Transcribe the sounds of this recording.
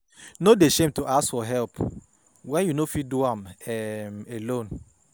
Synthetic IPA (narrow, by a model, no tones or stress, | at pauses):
nodeʃẽmtuʔasfɔɦɛlp | wɛ̃njunofiduãmɛmelõn